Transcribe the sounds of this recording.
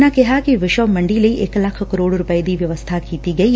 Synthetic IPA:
nakeɦaːkiʋɪʃɐmɐɳɖilejʔeːkɐlakʰkɐɾoːɽuɾupɐjd̪iːʋjɐʋɐst̪ʰaːkiːt̪iɡɐj

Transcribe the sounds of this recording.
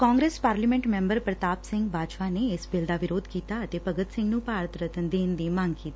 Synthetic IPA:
kɔ̃ːŋɡɾespaːɾlimẽɳʈmɛ̃mbəɾpɾət̪aːpsɪ̃ŋɡbʱaːd͡ʒʋaneːsbeld̪aʋɪɾoːd̪kit̪aət̪epəɡət̪sɪ̃ŋɡnũpaːɾt̪ɾət̪ənd̪eːnd̪imãŋɡkit̪

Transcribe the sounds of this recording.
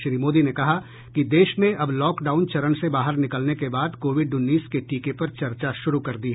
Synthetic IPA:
ʃɾiːmoːd̪inekɐɦa | kid̪eːʃnẽʔɐblɔːkɖaːʊnt͡ʃɐɾənsebaːɦəɾnɪkəlnekebaːd̪koːʋɪɖʊnːiːskeʈiːkepɐɾt͡ʃɐɾt͡ʃaʃʊɾukɐɾd̪iɦɛ

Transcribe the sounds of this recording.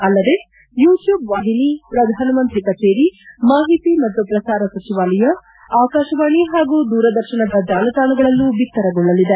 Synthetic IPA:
ɐlːɐd̪e̞ | juːʈjuːbʋaːɦinipɾɐd̪ʱaːnɐmɐnt̪ɾikɐt͡ʃeːɾimaːɦit̪imɐt̪ːupɾɐsaːɾɐsɐt͡ʃiʋaːlɐjɐ | aːkaːʃɐʋaːɳiɦaːɡuːd̪uːɾɐd̪ɐɾʃɐɳɐd̪ɐd͡ʒaːlɐt̪aːnɐɡɐɭɐlːubikt̪ːɐɾɐɡɔɭːɐlid̪e

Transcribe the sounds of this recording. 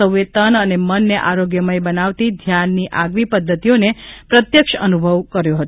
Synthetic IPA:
əʋet̪ənənemənːeʔaɾoɡjəməjbənaʋt̪id̪ʱjanːiʔaɡʋipəd̪ʱːət̪ijonepɾət̪jəkʃəənubʱəʋkəɾjoɦət̪

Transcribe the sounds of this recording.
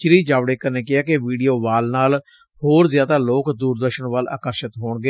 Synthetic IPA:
t͡ʃɪɾiːd͡ʒaːʋɽeːkəneːkɪaːkɪʋiːɖijoːʋaːlnaːl | hoːɾzjaːd̪aːloːkd̪uːɾd̪əɾʃənʋəla̰ːkəɾʃət̪ɦoːɳɡeː

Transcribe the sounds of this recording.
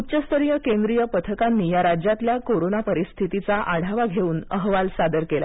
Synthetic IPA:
ut͡ɕəst̪ʰəɾijəkend̪ɾijəpət̪ʰəkanːiːjaɾad͡ʑjat̪ljakoɾonapəɾist̪ʰit̪it͡saʔaɽ̤ʱaʋaɡʱeuːnəɦʋalsad̪əɾkela̰

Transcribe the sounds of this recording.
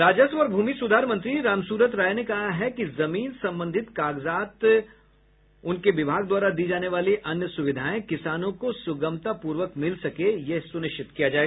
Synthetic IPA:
ɾaːd͡ʒəsʋɔːɾbʱuːmisʊd̪ʱaːɾmɐ̃nt̪ɾiɾaːmsuːɾət̪ɾaːjnekɐɦaɦɛkizɐmiːnsɐ̃mbə̃nd̪ʱɪt̪kaːɡzaːt̪ | ʊnkeʋɪbʱaːɡ̚d̪waːɾad̪iːd͡ʒaːneʋaːliʔɐnjəsʊʋɪd̪ʱaːẽkɪsaːnõkosʊɡə̃mt̪apuːɾʋəkmɪlsɐkejeɦsʊnɪʃt͡ʃɪt̪kijad͡ʒaːeɡa

